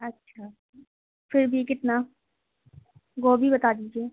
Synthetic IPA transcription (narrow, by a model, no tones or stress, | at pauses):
ɐtːʃʰa | fɪɾbʱikɪt̪na | ɡoːbʱibɐt̪aːd̪iːd͡ʒeː